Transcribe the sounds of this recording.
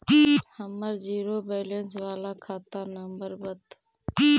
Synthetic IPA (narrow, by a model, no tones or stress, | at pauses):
həməɾd͡ʒiːɾoːbeːlensʋaːlaːkʰaːt̪aːnəmbəɾbət̪